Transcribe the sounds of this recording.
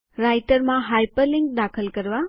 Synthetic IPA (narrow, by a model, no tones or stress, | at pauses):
ɾajʈəɾmãɦajpəɾliŋk̚d̪akʰəlkəɾʋa